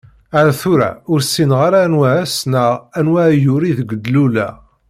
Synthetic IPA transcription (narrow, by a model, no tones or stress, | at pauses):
æɾæθʊɾæ̰ʊɾsːinʁaɾanwæːsnəʁænwæjʊɾiðəɡəd̪lulæ̰